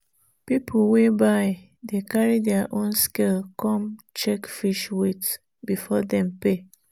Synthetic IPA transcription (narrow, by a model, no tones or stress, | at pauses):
pipʰowebaɪ | dekaɹidɛaʔõnskelkʰɔ̃mt͡ʃɛkfiʃwet | bifɔdɛ̃mpe